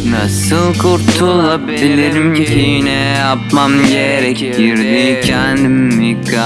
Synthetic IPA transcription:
nɑsɯlˠkʰuɾt̪ʰulˠabbilʲiɾimcʰinɛjap̚mamɟeɾɛkɟiɾd̪icʰɛnd̪imːikːa

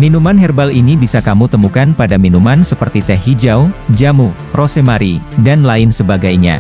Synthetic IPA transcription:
minumanɦɛrbalinibisakamut̪əmukanpadaminumansəpərt̪it̪ɛɦid͡ʒawd͡ʒamu | rosemaɾidanlaɪnsəbaɡajɲa̰

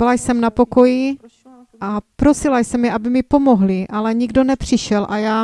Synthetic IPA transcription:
ɪlajsɛmnapo̞ko̞ji | ʔapɾosɪlajsɛmjɛʔabɪmɪpo̞moɦlɪʔalɛɲiɡdo̞nɛpr̝̥ɪʃɛlʔajaː

